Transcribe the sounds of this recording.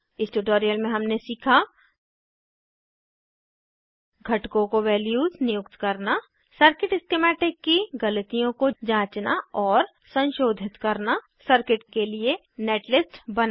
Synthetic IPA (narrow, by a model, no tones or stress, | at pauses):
ɪsʈuʈoːɾijəlmẽɦɐmnesiːkʰa | ɡʱɐʈkõkoʋɛːljuːznɪjʊkt̪kɐɾna | səɾkɪʈɪskemɛːʈɪkːiɡɐlət̪ijõkod͡ʒãːt͡ʃnaɔːɾ | sɐ̃nʃoːd̪ʱɪt̪kɐɾna | səɾkɪʈkelie | neːʈlɪsʈbɐn